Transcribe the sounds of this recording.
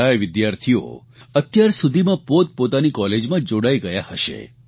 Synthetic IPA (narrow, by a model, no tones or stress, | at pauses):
ajʋɪd̪jaɾt̪ʰijo̰ | ət̪jaɾsud̪ʱimãpot̪̚pot̪anikɔled͡ʒmãd͡ʒoɽajɡəjahəʃḛ